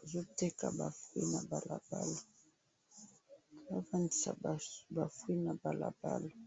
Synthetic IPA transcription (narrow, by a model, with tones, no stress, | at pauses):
zo˦tɛ˦ka̰˨ba˨fwḭ˦na˨ba˨la˨ba˦la˨ | za˦va˦ndi˨sa̰˨ba˨fwi˦na˨ba˨la̰˨ba̰˦la˨